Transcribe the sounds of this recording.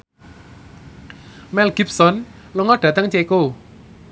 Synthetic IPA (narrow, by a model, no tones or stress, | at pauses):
mɛlɡ̥ip̚sɔn | luŋɔɖ̥ä̤t̪əŋt͡ʃeko